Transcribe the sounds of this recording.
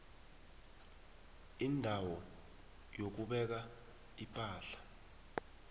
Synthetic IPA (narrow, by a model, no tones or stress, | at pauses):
indʱawɔ | jok̬uɓɛk̬a | ipʼaːɬḁ